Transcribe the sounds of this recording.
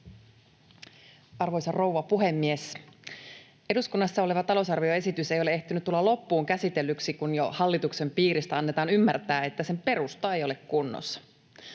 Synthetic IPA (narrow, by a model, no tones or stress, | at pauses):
ɑrʋo̞jsɑro̞uwʋɑpuɦe̞mːies | e̞duskunːɑsːɑole̞ʋɑt̪ɑlo̞usɑrʋioe̞sit̪yse̞joee̞ht̪ynyt̪ulːɑlo̞pːuːŋkæsit̪elːyksikunjohɑlːit̪ukse̞mpiːɾist̪æɑnːe̞t̪ɑːnymːært̪æːe̞t̪ːæse̞mpe̞ɾust̪ɑejo̞le̞kkunːo̰sːɑ̥